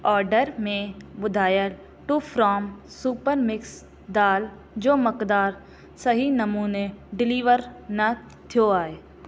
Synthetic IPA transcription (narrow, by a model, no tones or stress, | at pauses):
ɔːɾɖəɾmẽbʊd̪ʱaːjəl | ʈufʰɾɔːm | suːpəɾmɪks | d̪aːl | d͡ʒoːmɐkd̪aːɾ | sɐɦinɐmuːneɖɪliːʋəɾnɐ | t̪ʰijoaːeː